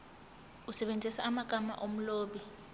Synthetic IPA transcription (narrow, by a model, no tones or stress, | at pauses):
usɛɓend͡zʱisaːmaɡ̥ʱama̰ʔom̩loːɓi